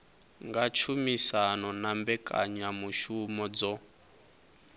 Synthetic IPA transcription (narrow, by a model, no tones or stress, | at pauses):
ŋɡat͡ʃʰumisanɔnambɛkʼa̰ɲamuʃumɔd͡zɔ